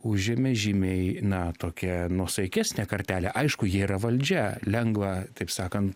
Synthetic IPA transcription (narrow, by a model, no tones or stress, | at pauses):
ʊʒʲemʲɛʒʲiːmʲeɪnɐt̪oːkʲɛnuɔsɐɪkʲæːsʲnʲɛkɐɾʲt̪ʲæːlʲɛʔɐɪʃkʊjiɛiɾɐʋɐlʲd͡ʒʲɛlʲɛŋɡʋɑt̪ɐɪpsɑːkɐnt̪